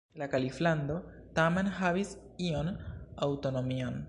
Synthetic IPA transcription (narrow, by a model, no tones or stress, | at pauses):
lakalifland̪o | t̪amenhaβis | ionawt̪o̞no̞mian